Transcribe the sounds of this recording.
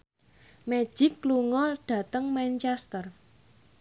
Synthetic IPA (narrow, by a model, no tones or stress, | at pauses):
me̥ʒ̥ɪkːluŋɔɖ̥ä̤t̪əŋmɛnt͡ʃɛst̪ər